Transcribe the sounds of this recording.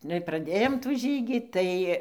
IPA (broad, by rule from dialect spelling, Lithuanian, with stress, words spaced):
ˈnʊ ɪr prɐˈdʲeːjoːm tuː ˈʒʲiːɡʲiː ˈtɐɪ